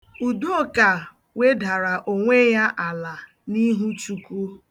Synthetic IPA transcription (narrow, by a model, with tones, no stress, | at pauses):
u˨du˦o˦˨ka˨ | we˦da˨ɾa˨ʔo˨ŋʷe˦ja˦ʔa˨la˨ | ni˦ɦu˦t͡ʃu˨kʷu˦